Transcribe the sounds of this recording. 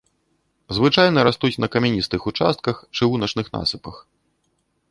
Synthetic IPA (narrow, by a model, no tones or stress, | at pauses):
zvɨt͡ʂajnɐɾast̪ut͡sʲnɐkɐmʲɛnʲist̪ɨxut͡ʂa̰st̪̚kɐxt͡ʂɨɣunɐt͡ʂnɨxna̰sɨpɐx